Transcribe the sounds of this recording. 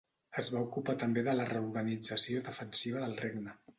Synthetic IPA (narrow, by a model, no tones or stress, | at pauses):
əzβaukupat̪əmbeðələrəuɾɣənid͡zəsioðəfənsiβ̞əðəlˠreɡnə